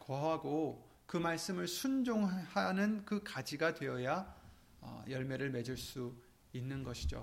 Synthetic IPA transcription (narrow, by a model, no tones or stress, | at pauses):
koɦaɡo | kɯmaɭs͈ɯmɯɭsʰund͡ʑoŋhanɯnkɯkad͡ʑiɡadwe̞jʌja | ʌ̰jʌɭme̞ɾɯɭme̞d͡ʑiɭs͈u | inːɯnɡʌɕʰid͡ʑo̰